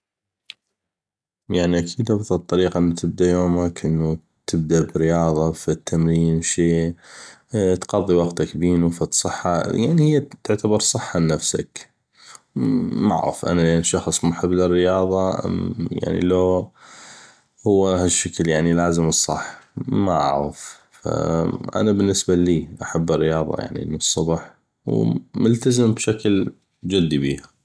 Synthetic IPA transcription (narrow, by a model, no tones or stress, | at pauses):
jaʕniʔakʰiːd̪abðɨt̪ˤːɑɾiːqɑʔnːat̪ʰɪb̚d̪ajoːmakʔənːu | t̪ʰɪb̚d̪abɪɾɪjɑːðˤɑfit̪ʰːamɾiːnwʃeː | t̪qɑðˤːiwɑɡt̪akbiːnufat̪sˤɨħːajaʕnihɪjːat̪ʊʕt̪ʰabɑɾˤsˤɨħːanafsa̰k | maʕɣɪ̰fʔa̰nalenʃɑxsˤmʊħɪbːlɪrːɪjɑːðˤɑja̰ʕnḭloː | hʊwːahaʃːakljaʕnilaːzɪmɨsˤːɑ̰ħːma̰ʔa̰ʕɣɪf | fa̰ʔa̰nabɪnːɪsbaliːʔaħabːɪrːɪjɑːðˤɑ̰ja̰ʕnḭʔnːisˤːʊbħ | wmʊlt̪azɪmbʃakl | d͡ʒɪd̪ːibiːha